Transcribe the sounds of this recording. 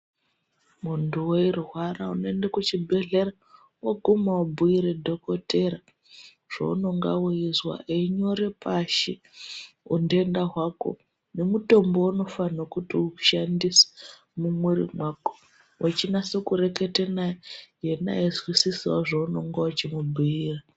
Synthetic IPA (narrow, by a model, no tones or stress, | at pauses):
munduwoirwaraunoendakut͡ʃibʱe̞ɮe̞ɾa | woɡʱumaubʱuiɾedʱo̞kote̞ɾa | ʐ̥o̰ṵno̞ŋɡa̰wuizwa̰ʔeiɲo̞ɾe̞pʰaʃe | undendaɦwako̞̰ | ne̞muto̞mbo̞uno̞fanokutiuʃandise̥ | mumweɾḭmwako̥ | wʔat͡ʃinasekuɾe̞ketenaejena̰izwisisiwaʐouno̞ŋɡaut͡ʃimubʱuiːra